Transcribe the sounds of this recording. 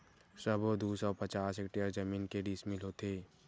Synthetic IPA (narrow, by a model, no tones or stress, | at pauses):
səbod̪uːsɔːpɐt͡ʃaːsekʈiəɾd͡ʒɐmiːnkeɖiːsmɪlɦot̪eː